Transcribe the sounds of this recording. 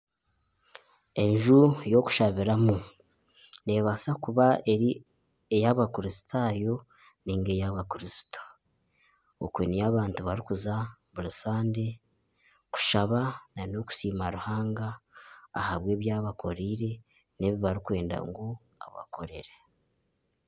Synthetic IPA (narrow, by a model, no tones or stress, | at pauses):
e̞nʒujo̞ku̥ʃaβiɾamu | ne̞ːβasakuβae̞ɾi | ejaβakuɾisi̥tʰajo̞ | niːŋɡe̞jaβakiɾisi̥to̥ | o̰kwenijaːβaːntuβaɾikuzaβuɾusaːnde̞ | ku̥ʃaβanano̞ku̥siːmaɾuhaːŋɡa̰ː | haβwe̞ːβjaːβakʰo̞ɾiːɾe̞ | ne̞βiβaɾikwe̞ːnda̰ŋɡo | a̰βa̰kʰo̞ɾe̞̰ɾe